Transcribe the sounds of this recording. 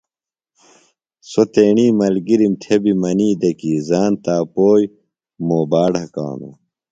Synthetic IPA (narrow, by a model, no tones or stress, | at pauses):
sot̪eːɳiːmɐlɡiɾimt̪ʰebimɐniːd̪ɐkiːzaːnt̪aːpoːj | moːbaːɽɐka̰ːno̰